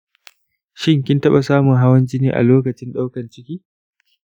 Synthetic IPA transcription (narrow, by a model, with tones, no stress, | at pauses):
ʃɪ˦ŋkʲɪ˦ntɐ˦ɓa˨saː˦mʊ˨ŋɦa˦wɐ˦nd͡ʒɪ˦niː˦ʔa̰˨loː˦kɐ˨t͡ʃɪ˦nɗa˦wkɐ˨nt͡ʃɪ˦kʲiː˦